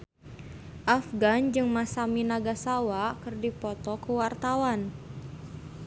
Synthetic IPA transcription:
ʔafɡand͡ʒɨŋmasaminaɡasawakɨrdipɔt̪ɔkuwart̪awan

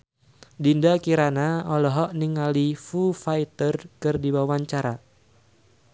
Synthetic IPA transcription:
dindakiɾanaɔlɔɦɔʔniŋalifufait̪ərkɨrdibawaɲt͡ʃaɾa

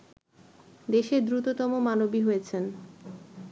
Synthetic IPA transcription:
d̪eʃeɾd̪ɾut̪ot̪ɔmomanobiɦojet͡ɕʰen

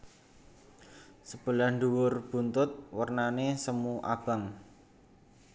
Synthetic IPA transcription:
səb̥ə̤lahɳd̪uwʊrb̥ṳnt̪ʊt̪̚wərnanesəmuʔa̰b̥a̤ŋ

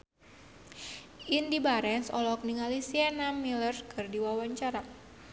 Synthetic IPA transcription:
indibaɾɛnsɔ̰lɔk̚niŋalisianamilərkʰɨrdiwawaɲt͡ʃaɾa

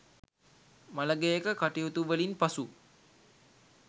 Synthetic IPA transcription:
maləɡejekəkaʈiɦut̪uʋəlinpasu

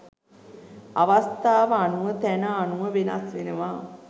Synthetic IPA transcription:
aʋast̪aːʋəanuʋət̪ænəanuʋəʋena̰sʋenəʋa

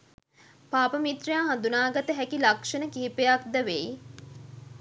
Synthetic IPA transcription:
paːpəmit̪rijaːɦand̪unaːɡat̪əɦækilakʂənəkiɦipejakd̪əʋej

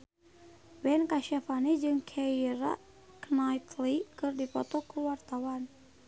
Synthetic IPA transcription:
bɛnkaʃafanid͡ʒɨŋkʰɛiɾa̰ | knajt̪likɨrdipɔt̪ɔkuwart̪awan

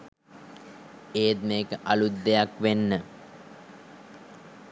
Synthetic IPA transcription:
eːt̪̚meːkəʔalud̪ːejakʋenːə

